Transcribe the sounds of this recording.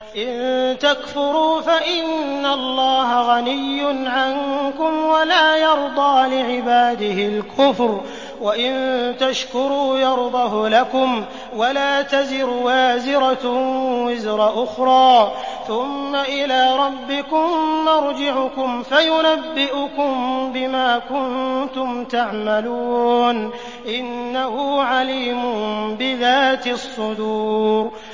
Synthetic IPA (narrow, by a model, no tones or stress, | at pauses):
ʔɪnt̪akfʊɾuːfaʔɪnːalˤːɑːɦaɣanɪjːʊnʕankʊmwalaːjɑɾˤd̪ˤɑːlɪʕɪbaːd̪ɪhɪlkʰʊfɾ | waʔɪnt̪aʃkʊɾuːjɑɾˤd̪ˤɑhʊlakʊm | walaːt̪azɪɾwaːzɪɾawɪzɾˤɑʔʊxɾˤɑːθʊmːaʔɪlaːɾˤɑbːɪkʊmːɑɾˤd͡ʒɪʕʊkʊmfajʊnabːɪʔʊkʊmbɪmaːkʊnt̪ʊmt̪aʕmaluːn | ʔɪnːahʊːʕaliːmʊnbɪðaːt̪ɪsˤːʊd̪uːɾ